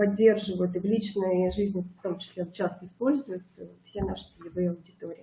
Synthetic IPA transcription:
pɐdʲːe̞rʐɨvəjʊt̪ɨvlʲit͡ɕnəjʐizʲnʲft̪o̞mt͡ɕɪ̥sʲlʲet͡ɕːast̪əɪspo̞lʲzʊjʊt̪fsʲenaʂɨ̥t͡sʲɪlʲɪvɨjəɐwdʲɪt̪o̞ɾʲɪː

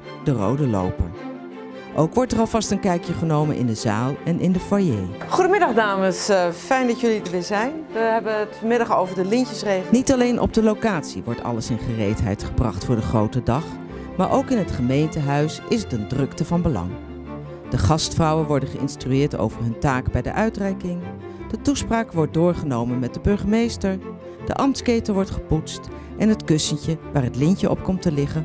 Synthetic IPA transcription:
dərowdəlo̰wpə̰ɹ | ʔowkʋɔɹtərɑlˠvɑstənkɛjkjəχənowmə̰nʔɪ̰ndəzaːlˠɛnʔɪndəfajejχudəmɪdɑχdaːməsfɛjndɑtjɵlitəʋɪːzɛjnʋəɦɛbəətfɔɹmɪdɑχowvəɹdəlɪnəsrejnitɑlejnʔɔ̰b̚dəlowkaːtsiʋɔɹtɑ̰ləsɪnχərejtɦɛ̰jtχəbrɑ̰χtfʊːɹdəχrowtədɑχ | maːɹʔowkɪnɦətχəmejntəɦœɥsɪsdəndrɵktəvɑnbəlɑ̰ŋ | d̥əχɑstfrɑwənʋɔɹdəχəʔɪ̰nstryɪːɹto̰wvəɹɦɵntaːkbɛjdə̰ʔœɥtrɛjkɪŋ | d̥ətuspraːkʋɔɹ̚dʊːɹχənowmənmɛt̚dəbɵɹχəmejstəɹ | d̥ə̰ʔɑmtskejtəʋɔɹtχə̥putst | ʔɛnɦətkɵsəncəʋaːɹɦətlɪncəʔɔ̰p̚kɔmtəlɪχən

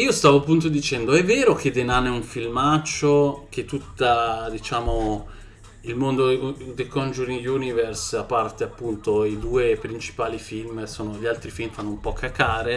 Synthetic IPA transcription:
iːost̪aːvoapːunt̪od̪it͡ʃɛnd̪oɛvːɛːɾok̟ʰed̪enanɛuɱfilmat͡ʃːok̟et̪ːut̪ːad̪it͡ʃaːmo | ilmond̪od̪ekɔnd͡ʒuɾiŋjuniversapːart̪eapːunt̪oid̪uːepɾint͡ʃi̥paːlifilmsoːnoʎalt̪ɾifilmfanːoumpɔkʰːakːaːɾe

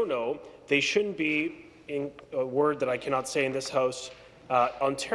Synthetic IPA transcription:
ʊnoʊðeɪʃʊdⁿn̩b̥i | ɪ̃nəwɜ˞d̪̚ðɨɾaɪkʰænɑtseɪɨ̃nðɪshaʊs | ə̃n̩tʰɛ

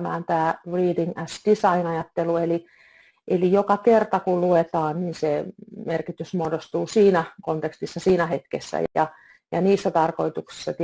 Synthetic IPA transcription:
mæ̰ːnt̪æːriːdiŋæsd̥isɑinɑjɑt̪ːelueli | ʔelijokɑkert̪ɑkulluet̪ɑːnninsemerkit̪ysmuoːdost̪uːsiːnækont̪ekst̪isːɑsiːnæhet̪kḛsːæ̰ɑ | jɑniːsːæt̪ɑrkoit̪uksi̥sːɑt̪

